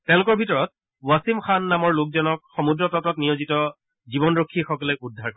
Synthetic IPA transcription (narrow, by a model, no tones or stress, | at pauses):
tɛ̃ʊ̃lʊkɔɹbʱitɔɹɔt̚ | wasimxanːamɔɹlʊk̚zɔnɔk̚xɔmudɹɔtɔtɔtnijozitɔ | zibɔnɹokʰːixɔkɔlɔudʱːaɹkɔ